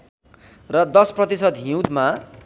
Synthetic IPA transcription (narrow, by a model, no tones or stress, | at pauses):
rʌd̪ʌsprʌt̪isʌd̪ɦĩwd̪ma